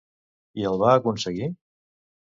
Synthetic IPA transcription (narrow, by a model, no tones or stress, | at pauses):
iəlˠβaːkunsəɣi